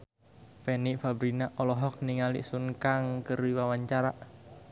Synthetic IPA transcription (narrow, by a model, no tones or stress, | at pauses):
feniʔfabɾinaʔɔlɔɦɔk̚niŋalḭʔsuŋkaŋkəɾiwawaɲt͡ʃaɾaʔ